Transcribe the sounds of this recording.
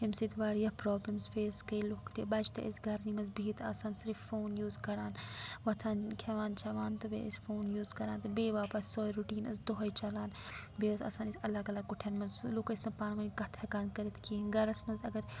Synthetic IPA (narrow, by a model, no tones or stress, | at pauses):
himsit̪ʋaːɾjɐpɾoːblɐmsfeːskɐjlukt̪ibɐt͡ʃt̪ɐ̰ʔɐsɡɐɾnimɐzbiːt̪ʰa̰ːsaːnsɾifːoːnjuːzkɐɾaːnʋɐt̪ʰaːnkʲʰɐʋaːnt͡ʃʰɐʋaːnt̪obḛḭsfoːnjuːzkɐɾaːnt̪ɐbeːʋaːpɐssoːjɾuʈiːnɐ̰sd̪oɦɐjt͡ʃɐlaːn | beːt̪a̰ːsaːnisɐlaːɡɐlaːkuʈʰɐnmɐzlukɐsnɐpaːnmɐːnikɐt̪ʰɐkaːnkɐɾit̪ʰkʰinɡɐɾɐsmɐzɐɡɐɾ